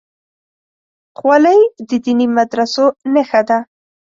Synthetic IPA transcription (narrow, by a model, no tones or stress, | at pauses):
qwalajd̪əd̪inimad̪ɾasonexad̪a